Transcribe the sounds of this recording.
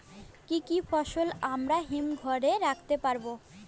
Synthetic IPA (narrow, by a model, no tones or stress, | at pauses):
kikifɔʃolamɾaɦimɡʱɔɾeɾakʰt̪epaɾbo